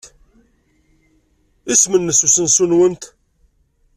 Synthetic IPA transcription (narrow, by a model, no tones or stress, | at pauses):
ismənːəsusənsunwənt̪